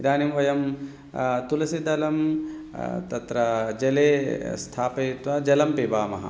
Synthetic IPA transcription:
d̪aːnimʋɐjɐm | t̪ulɐsid̪ɐlɐm | t̪ɐt̪ɾɐd͡ʒɐleːst̪ʰaːpɐjt̪ʋaːd͡ʒɐlɐmpeːbaːmɐ̰ɦɐ̰

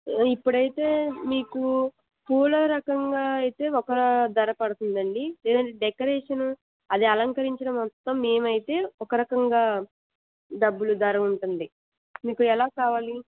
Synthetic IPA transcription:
ipːuɽɐjit̪e̞ːmiːku | pʰuːlɐɾɐkɐŋɡaːɐjit̪e̞ːɔkɐɾɐd̪ɐɾɐpɐɽut̪und̪ɐɳɖileːd̪ɐɳʈeːɖɛkɐɾeːʂɐnu | ɐd̪iɐlɐŋkɐɾiɲt͡ʃɐnɐmːɔt̪ːɐmːe̞ːmɐjit̪e̞ːɔkɐɾɐkɐŋɡaː | ɖɐbːulud̪ɐɾɐuɳʈund̪i | miːkuɛlaːkaːʋaːli

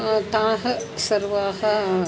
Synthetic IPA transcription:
t̪ãːɦɐ̆sɐɾʋaːɦɐ

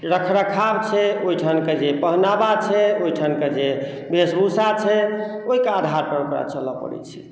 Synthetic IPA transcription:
ɾəkʰɾəkʰabt͡ʃʰɛoiʈʰanked͡ʒepəɦnabat͡ʃʰɛoiʈʰanked͡ʒe | besbusat͡ʃʰɛoɦikead̪ʱaɾpəɾupɾa̰t͡ʃələpə̰ɾɛ̰t͡ʃʰɛ̥

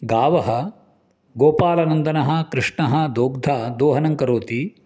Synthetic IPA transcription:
ɡaːʋɐɦɐ | ɡoːpaːlɐnɐnd̪ɐnɐɦɐ̆kɾɪʂɳɐɦɐ̆d̪oːɡd̪ʱaːd̪oːɦɐnɐŋkɐɾoːt̪i

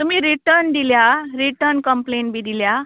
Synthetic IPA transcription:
t̪umiːɾiʈəɾnd̪iljaɾiʈəɾnkəmpleɳʈbʱiːd̪ilja

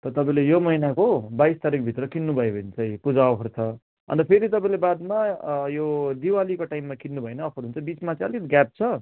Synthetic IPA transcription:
t̪ʌt̪ʌpaĩlejomʌɦinakobajst̪aɾikbʱit̪rʌkinːubʱʌebʱʌnt͡sʌĩpud͡zaʌpʰʌrt͡sʰʌ | ʌ̰nt̪ʌpʰeɾit̪̬ʌpaĩlebad̪majod̪iwalikoʈajmːakinːubʱʌenʌːpʰʌɾunt͡sʰʌbit͡smat͡sãʌlit̪ɡap̚t͡sʰʌ

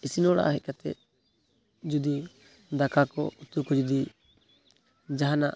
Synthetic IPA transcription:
isinɔɽa̰ʔaɦɛc̚kat̪ɛ̰ | d͡ʒud̪i | d̪akakɔ̰ut̪ukɔd͡ʒud̪i | d͡ʒaɦana̰ʔ

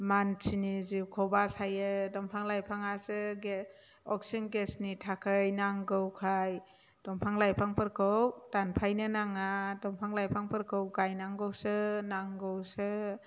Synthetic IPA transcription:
mant͡ʃʰiniziwkʰɔwbasajɯdɔmpʰaŋlajpʰaŋasɯɡ | ɔksinɡesnitʰakʰɯjnaŋɡɯwkʰaj | d̥ɔmpʰaŋlajpʰaŋpʰɯɾkʰɯwtanpʰajnɯnaŋadɔŋpʰaŋlajpʰaŋpʰɯɾkʰɯwɡajnaŋɡɯwsɯnaŋɡɯwsɯ

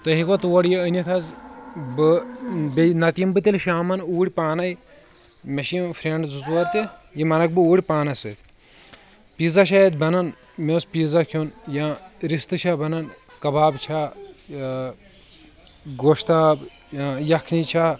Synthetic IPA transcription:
t̪ɐɦikʋɐt̪uwɐɽjiənʲit̪ʰɐzbɨbnɐt̪imbɨt̪ʲilʃaːmɐnuːɽʲpaːnɐj | mɐʃimfɾʲeɳɖzut͡suʋɐt̪ijimɐnɐk̚bɨuːɽʲpaːnɐsɨt̪ʲ | piːzaʃ̬ajɐt̪̚ʲbɐnɐn | meːspiːzakʰonjaɾist̪ɨʃaːbɐnɐnkɐbaːbt͡ʃʰaː | ɡoːʃt̪aːb | ajɐkʰnit͡ʃʰaː

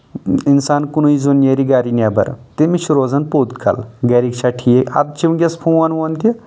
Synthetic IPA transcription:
insaːnkunuizonjeɾiɡaːɾinʲabɐ̰ɾt̪emit͡ʃʰɾoːzɐnpoːd̪kʰɐ̰lɡɐɾikt͡ʃʰaʈʰijeɐ̰d̪̚t͡ʃʰiʋɡʲɐspʰũʋanʋɐnt̪i

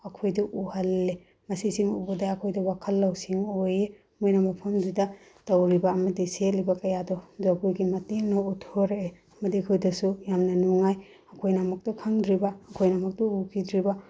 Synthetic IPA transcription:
ɐkʰojdɐʔuhɐlːe | mɐsisiŋobɐdɐɐkʰojdɐwakʰɐlːɐwsiŋoje | mojnɐmɐpʰɐmzidɐ | tawɾibɐːmɐdisetlibɐkɐjadɔzaɡojɡimɐtinɔutʰoɾee | mɐdiɐkʰojdɐsujamnɐnuŋaj | ɐkʰojnamɐk̚tɔkʰaŋdɾibaːkʰojnamɐk̚tɔukʰidɾiba

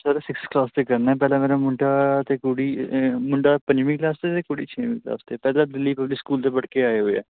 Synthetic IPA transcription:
saːɾeːsɪksklaːst̪eːkəɾnaːɛːpɛːlãːmeːɾaːmʊ̃ɳʈaːt̪eːkoːɽiːmʊ̃ɳɖaːpə̃ɲd͡ʒmĩklaːst̪eːt̪eːkoːɽiːt͡ʃʰeːʋɪ̃ːkla̰ːst̪eːpɛːlãːd̪ɪlːiːpəblɪskuːlt̪eːbəɽkeːaːeːɦoːeɛ̰ː

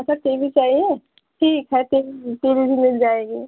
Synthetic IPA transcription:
ɐsʰakebʱit͡ʃaːɦie | ʈʰiːkɦɛteteɾibʱimɪld͡ʒaːeːɡiː

